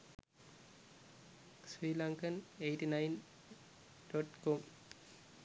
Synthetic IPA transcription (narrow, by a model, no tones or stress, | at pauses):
swiːlaŋkɐnejʈinajn | ɖ̥oʈkom